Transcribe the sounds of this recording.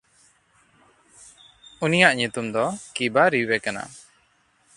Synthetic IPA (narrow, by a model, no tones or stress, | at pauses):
unijaʔɲut̪umd̪ɔkibaɾiwɛkana̰